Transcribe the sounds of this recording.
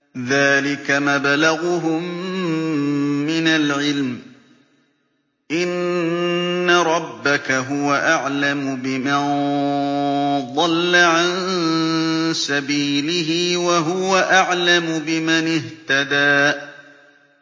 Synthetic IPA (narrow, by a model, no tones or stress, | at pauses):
ðaːlɪkamabalaɣʊɦʊm | ɪnalʕɪlm | ʔɪnː | aɾˤɑbːakaɦʊwaʔaʕlamʊbɪman | ðˤɑlːaʕan | sabiːlɪɦiːwaɦʊwaʔaʕlamʊbɪmanɪht̪ad̪aː